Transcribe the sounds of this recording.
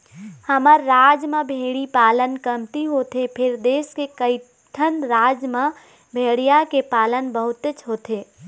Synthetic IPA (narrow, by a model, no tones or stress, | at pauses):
həməɾːaːd͡ʒmãbʱeːɽipaːlənkəmt̪iɦoːt̪ʰepʰɪɾd̪eːskekəɪ | ʈʰənɾaːd͡ʒmã | bʱeːɽijakepaːlənbəɦʊt̪ət͡ʃɦoːt̪ʰeː